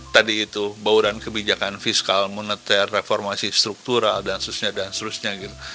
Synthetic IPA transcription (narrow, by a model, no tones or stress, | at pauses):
t̪adiːt̪ubauɾankəbid͡ʒakanfiskalmunət̪ɛrːefɔrmasist̪ɾuk̚t̪uɾaldanst̪ɾusɲadanst̪ɾusɲaɡit̪u